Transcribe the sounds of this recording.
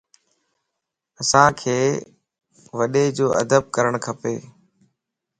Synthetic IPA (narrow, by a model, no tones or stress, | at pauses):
əsãːkʰeː | ʋəɗeːd͡ʑoːʔə̰d̪əb̚kəɾəɳ̃kʰəpeː